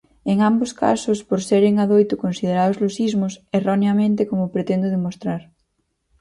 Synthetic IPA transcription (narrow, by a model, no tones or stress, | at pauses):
eŋamboska̰sʊspoɾseɾeŋaðojt̪ʊkonsið̞eɾaðʊzlosizmʊseroneamẽnt̪ekomʊpɾet̪end̪ʊðemost̪ɾaɾ